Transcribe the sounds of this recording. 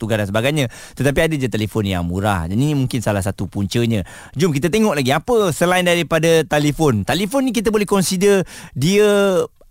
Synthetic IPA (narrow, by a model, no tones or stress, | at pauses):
t̪uɡadansəbaɡajɲã | t̪ət̪ap̬iadəd͡ʒat̪elefɔnja̰ŋmṵɾa̰hdaninimũŋkɪnsalasat̪upuɲt͡ʃəɲã | d͡ʒʊmkit̪at̪eŋɔʔlaɡiapəsəlaɪndaɾipadat̪alefɔnt̪alefonːik̬it̪̬əbolɛhkɔnsidərdiə